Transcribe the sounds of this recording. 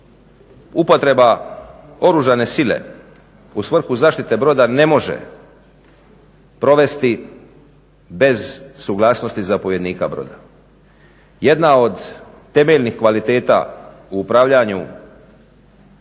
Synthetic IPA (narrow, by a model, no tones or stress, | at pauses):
upo̞t̪ɾe̞ba | o̞ɾuʒane̞sile̞̰ | usʋr̩xuzaːʃt̪it̪e̞bɾo̞d̪ane̞mo̞ʒḛ | pɾo̞ʋe̞st̪i | be̞zsuɡlˠaːsno̞st̪izapo̞ʋje̞d̪niːkabɾo̞̰d̪a | je̞d̪nao̞d̪ː | e̞me̞ʎnixkʋalit̪e̞ːt̪a̰ | uːpɾaːʋʎaɲu